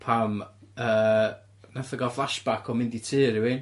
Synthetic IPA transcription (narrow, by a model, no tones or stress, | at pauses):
pʰaməː | naθəɡɔflˠaʃb̥akʰɔmɪnditʰɨːɾɪwɪn